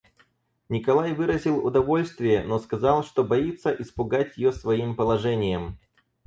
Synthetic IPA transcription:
nʲɪkɐlˠajvɨɾəzʲɪlˠʊd̪ɐvo̞lʲst̪vʲɪjəno̞skɐzɑlˠʂt̪o̞bɐit̪sːəʔɪspʊɡatʲjɪjosvɐimpəlˠɐʐɛnʲɪjəm

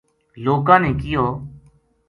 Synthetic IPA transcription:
loːkãːneːkɪjoː

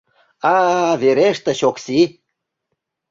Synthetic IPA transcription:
ɑβeɾeʃt̪ĕɕoksi

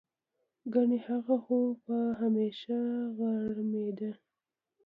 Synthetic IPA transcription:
ɡaɳihaɣaxopaɦameʃaɣaɽɽmed̪a

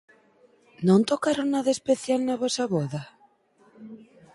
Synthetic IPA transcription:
nõnt̪okaɾonnaðaespeθjalnaβosaβoða

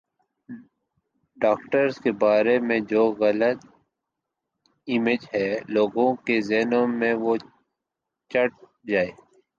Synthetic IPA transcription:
ɖaːkʈəɾzkebaːɾemẽd͡ʒoːɣɐlət̪ | ɪmed͡ʒɦɛːloːɡõkezɛːnõmẽʋo | t͡ʃəʈ̚ | d͡ʒaːeː

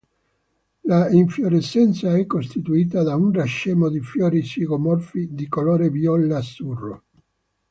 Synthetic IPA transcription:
laiɱfjoɾesːɛnt̪saɛkːost̪it̪uiːt̪ad̪aunraʃːɛːmod̪ifjɔːɾisiɣomɔrfid̪ikoloːɾevjɔlːasːurːo̰

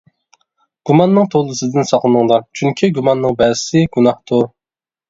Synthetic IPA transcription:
ɡ̥umɑnːɨŋt̪ʰolˠːɨsɨd̪ɪnsɑqlˠɨnɨŋd̪ˠɑɾt͡ʃʰyŋkʲʰiɡumɑnːɨŋbɛzɪsɪɡ̥unɑht̪ʰuɾ

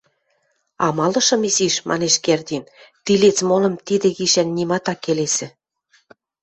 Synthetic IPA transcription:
ɑmɑlɤ̆ʃɤ̆miziʃmʔɑ̰neʃkerd̪int̪ilet͡smolɤ̆mt̪id̪ĕɣiʃænːimɑt̪ɑkːelesɘ̆

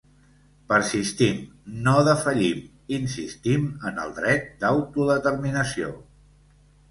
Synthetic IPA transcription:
pəɾsist̪imnoðəfəʎim | insist̪imənə̰lˠd̪ɾɛt̪̚d̪əwt̪uðət̪əɾminəsio̰

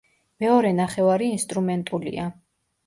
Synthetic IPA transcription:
mɛɔɾɛnaχɛvaɾiːnst̪ʼɾumɛnt̪ʼulḭa

